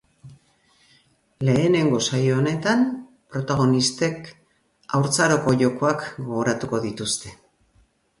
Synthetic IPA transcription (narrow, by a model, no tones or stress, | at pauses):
le̞ːne̞ŋɡo̞sajoːne̞t̪an | pɾo̞t̪aɣ̞o̞nist̪e̞k | awɾt͡saɾo̞ko̞ʝo̞ko̞akɡ̞o̞ɣo̞ɾat̪uko̞ðit̪ust̪e̞